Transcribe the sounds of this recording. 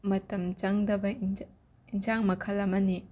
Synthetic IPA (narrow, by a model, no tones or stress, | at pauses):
mɐtɐmt͡ʃɐŋdɐbɐi | inzaŋmɐkʰɐlːɐmɐni